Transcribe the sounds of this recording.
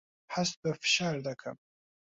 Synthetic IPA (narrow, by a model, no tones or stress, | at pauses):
ħasbafʃard̪akʰa̰